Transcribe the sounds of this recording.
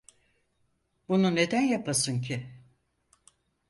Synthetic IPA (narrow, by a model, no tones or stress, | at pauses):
bunune̞d̪ænjapʰasɯncʰi